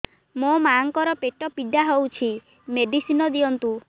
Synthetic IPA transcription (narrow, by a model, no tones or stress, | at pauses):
momaŋkɔɾɔpeʈɔpiɖaɦowt͡ʃʰi | meɖisinɔd̪iɔnt̪u